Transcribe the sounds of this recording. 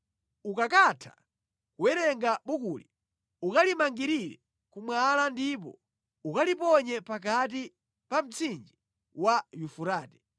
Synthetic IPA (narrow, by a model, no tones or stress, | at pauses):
ukakatʰḁ̰ | kuwɛɾɛŋɡaɓukuli | ukalimaŋɡiɾiɾɛ̰ | kumwalandip̬ɔ̰ | ukalipɔɲɛpak̬at̬i | pam̩t͡sʰind͡ʒi | wajufuɾaːtɛ̥